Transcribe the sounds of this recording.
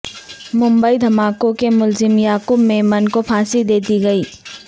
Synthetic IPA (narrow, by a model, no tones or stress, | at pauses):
mʊ̃mbəid̪ʱɐmaːkõkemʊlzɪmjaːkʊbmẽmɐnkopʰaːsid̪eːd̪iɡɐiː